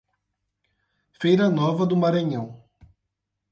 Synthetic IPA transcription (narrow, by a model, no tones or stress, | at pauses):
fejɾɐnɔvɐd̪ʊmaɾɐ̃ɲɐ̃w̃